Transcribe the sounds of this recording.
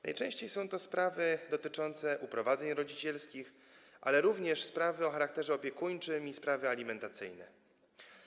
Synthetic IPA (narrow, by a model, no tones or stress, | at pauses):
na̰jt͡ʂɛ̃w̃ɕt͡ɕejsɔ̃w̃t̪ɔspɾavɘd̪ɔt̪ɘt͡ʂɔnt̪sɛʔupɾɔvad̪zɛɲɾɔd͡ʑit͡ɕɛlskʲix | ʔa̰lɛɾuvɲɛʂspɾavɘɔxaɾak̚t̪ɛʐɛɔpʲjɛkuɲt͡ʂɘmispɾavɘalʲimɛnt̪at̪sɘ̰jnɛ̰